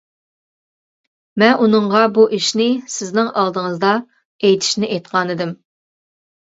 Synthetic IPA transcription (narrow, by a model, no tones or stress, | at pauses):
mɛnʔunɨɴʁɑbuʔiʃnɪsɪznɪŋʔɑlˠd̪əŋəzd̪ɑ | ejt̪ʰɪ̥ʃnɪʔɛjt̪qʰɑnɨd̪ɪm